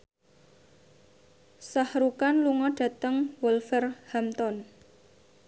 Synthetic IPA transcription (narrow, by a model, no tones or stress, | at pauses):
sahɾukanluŋɔɖ̥ä̤t̪əŋwɔlfərhamt̪ɔn